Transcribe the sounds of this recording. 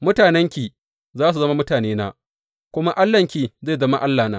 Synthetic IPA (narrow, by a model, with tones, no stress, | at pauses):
mʊ˦taː˨nɛ˦ŋkʲi˨ | zaː˦s̬u˨ɐ˦ma˦mʊ˦taː˨neː˦na˦ | kʷʊ˦ma˦ʔa˦lːɐ˨ŋkʲi˨ze˦˨zɐ˦ma˦ʔa˦lːaː˨na̰ː˦